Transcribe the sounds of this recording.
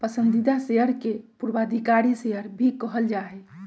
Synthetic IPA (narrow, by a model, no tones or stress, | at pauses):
pəsənd̪ʱid̪aseəɾkepuɾbad̪ʱikaɾiseəɾbʱikəɦəld͡ʒaɦɛ